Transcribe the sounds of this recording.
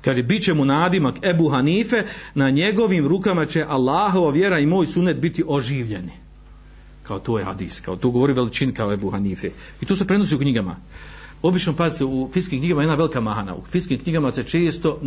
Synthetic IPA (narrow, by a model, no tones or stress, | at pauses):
kaːʒebit͡ɕe̞munaːd̪imaebuːɦaniːfe̞naɲe̞ɡo̞ʋiːmɾukamat͡ɕe̞ʔalˠːaːɦo̞ʋaʋje̞ɾaimoːjsunːet̪̚bit̪iʔo̞ʒiːʋʎe̞n | kʰao̞t̪oːjha̰d̪iːska̰ot̪oːɡoʋoɾiʋelit͡ʃinikaoebuːɦaniːfe | it̪ose̞pɾeno̞s̬iːukɲiɡama̰ | o̞bit͡ʃnopazit̪eufikiːmkɲiɡamajednaʋe̞likamaɦana̰ṵfiskiːmkɲiɡamase̞t͡ʃe̞ːst̪o̞